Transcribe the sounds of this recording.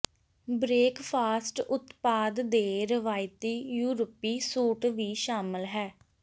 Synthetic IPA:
bɾeːkpʰaːsʈʊt̪paːd̪d̪eːɾəʋaːɪt̪iːjuːɾəpiːsuːʈʋiːʃaːmɪlɦɛː

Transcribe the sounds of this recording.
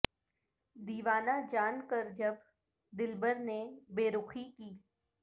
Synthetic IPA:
d̪iːʋaːnad͡ʒaːnkəɾd͡ʒɐb | d̪ɪlbəɾnebeːɾʊkʰikiː

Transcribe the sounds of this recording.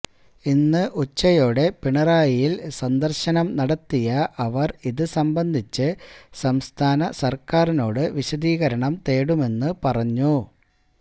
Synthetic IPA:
inːɨʔut͡ɕːɐjo̞ːɽe̞piɳɐraːjijilsɐnd̪ɐrɕɐnɐmnɐɽɐt̪ːijɐʔɐʋɐriðɨsɐmbɐnd̪ʱit͡ɕːɨsɐmst̪ʰaːnɐsɐrkaːrino̞ːɽɨʋiɕɐd̪iːɣɐɾɐɳɐmt̪e̞ːɽume̞nːɨpɐrɐɲːu

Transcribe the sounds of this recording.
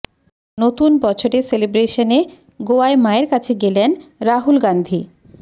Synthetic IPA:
not̪unbɔt͡ɕʰoɾeselebɾeʃone | ɡoaemaeɾkat͡ɕʰeɡelenɾaɦulɡand̪ʱi

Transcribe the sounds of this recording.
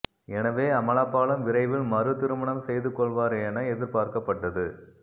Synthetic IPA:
ɛnɐʋeːɐmɐɭaːpːaːɭɐmʋɪɾɐɪʋɪlmɐɾɯt̪ɪɾɯmɐɳɐmsɛjðɯkːɔɭʋaːɾɐɛnɐɛðɪɾpaːɾkɐpːɐʈːɐðɯ

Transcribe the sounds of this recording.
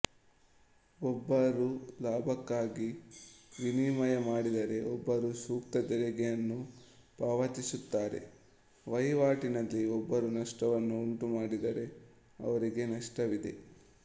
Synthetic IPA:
ɔbːɐɾulaːbʱɐkːaːɡi | ʋiniːmɐjɐmaːɽid̪ɐɾe̞ɔbːɐɾusuːkt̪ɐd̪ɛɾɛɡɛjɐnːu | paːʋɐt̪isut̪ːaːɾe̞̰ | ʋɐjʋaːʈinɐlːiɔbːɐɾunɐʂʈɐʋɐnːuːɳʈumaːɽid̪ɐɾe̞ | ɐ̰ʋɐɾiɡe̞nɐʂʈɐʋid̪e̞̰

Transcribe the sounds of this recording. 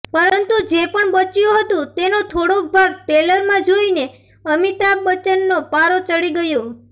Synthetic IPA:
pəɾənt̪ud͡ʒepəɳbət͡ʃjũɦət̪ũt̪enot̪ʰoɽok̚bʱaɡ̚ʈeləɾmãd͡ʒoine | əmiʈabət͡ʃənːopaɾot͡ʃəɽiɡəjo

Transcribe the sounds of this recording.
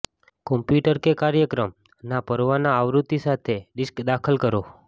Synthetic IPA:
kɔ̃mpjuʈəɾkekaɾjəkɾəm | napəɾʋanaːʋɾut̪isat̪ʰeɖiskd̪akʰəlkəɾo

